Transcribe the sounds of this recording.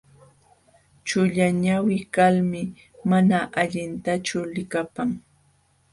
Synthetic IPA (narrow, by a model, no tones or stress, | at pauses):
t͡ʃʊʎaɲawɪkalmɪ | manaʔaʎɪnt̪at͡ʃʊlɪkapaŋ